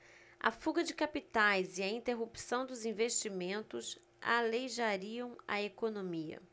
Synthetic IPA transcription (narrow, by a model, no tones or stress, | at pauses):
ɐ̰fuɡɐd͡ʒɪkapit̪ajzɪɐĩnt̪eɦupsɐ̃w̃d̪ʊzĩveʃt͡ʃimẽnt̪ʊs | a̰lejʒaɾiɐ̃w̃ɐ̰ekonõmiɐ̰